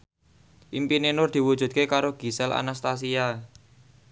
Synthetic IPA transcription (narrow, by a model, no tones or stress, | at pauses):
ʔimpinenʊrd̪̥i̤wu̥ʒ̥ṳdt̪̚kekaɾoɡ̥i̤sɛla̰nast̪as̬ia